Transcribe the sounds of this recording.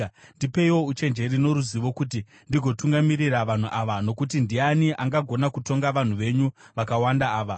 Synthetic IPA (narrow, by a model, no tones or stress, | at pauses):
ndipe̞iwo̞ut͡ʃe̞nd͡ʒe̞ɾino̞ɾuziʋo̞kut̬i | ndiɡʱo̞tuŋɡamiriraʋan̤uʔaʋano̞kut̬indianiʔaŋɡaɡʱo̞nakuto̞ŋɡaʋan̤uʋe̞ɲuʋakawandaːʋa